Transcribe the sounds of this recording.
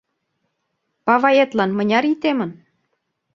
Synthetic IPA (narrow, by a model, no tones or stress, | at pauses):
pɑvɑjet̪lɑnmɤ̆nʲɑɾit̪emə̆n